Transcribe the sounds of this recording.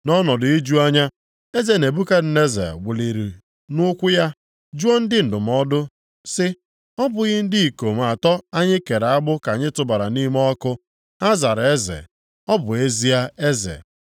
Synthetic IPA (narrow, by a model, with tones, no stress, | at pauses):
nɔ˦nɔ˨dʊ˨i˦d͡ʒu˦a˦ɲa˦ | e˦ze˨ne˨bu˦ka˦dɪ˨ne˦zḛ˨ɡʷe˨li˨ɾi˨ | nʊ˦kʷʊ˦ja˦ | d͡ʒu˦ɔ˦n̩˦dɪ˦n̩˨dʊ˨m˨ɔ˦dʊ˦ | sɪ˦ | ɔ˦bʊ˨ɣɪ˦n̩˦dɪ˦i˨ko˨m˨a˨tɔ˦a˦ɲɪ˦ke˨ɾa˦bʊ˦ka˨ɲɪ˦tʊ˨ba˨ɾa˨ni˦m˦ɔ˦kʊ˦ | a˦za˨ɾe˦zḛ˨ | ɔ˦bʊ˨e˦zi˦a˦e˦zḛ˨